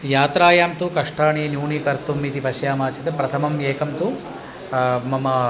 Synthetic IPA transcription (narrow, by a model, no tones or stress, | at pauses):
jaːt̪ɾaːjaːmt̪ukɐʂʈaːɳiːnjuːnikɐɾt̪umːit̪ipɐʃjaːmaːt͡ʃit̪ɐpɾɐt̪ʰɐmɐmjeːkɐmt̪u | mɐmɐ